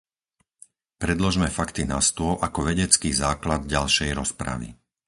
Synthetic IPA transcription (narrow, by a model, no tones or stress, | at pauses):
pɾɛd̪lɔʒmɛfakt̪inast̪ʊɔʔakɔʋɛɟɛt͡skiːzaːklad̪̚ɟalʃɛjɾɔspɾa̰ʋḭ